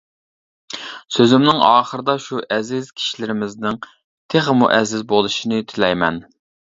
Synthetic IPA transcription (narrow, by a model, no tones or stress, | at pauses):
søzɪmnɪŋɑːχəɾɨd̪ɑʃuʔɛzɪzkʲʰi̥ʃilɪɾɪmɪznɪŋ | t̪ʰeχmṵʔɛzɪzbolˠɨʃinɪt̪ʰɪlɛjmɛn